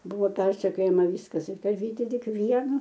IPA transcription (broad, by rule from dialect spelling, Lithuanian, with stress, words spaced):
ˈbʊʋoː ˈpʲɛrʲsʲɛkʲoːjɛmɐ ˈʋʲiːskɐs ɪr ˈtɐ ɐˈʋʲiːtʲɪ ˈtʲɪk ˈʋʲiɛnʊ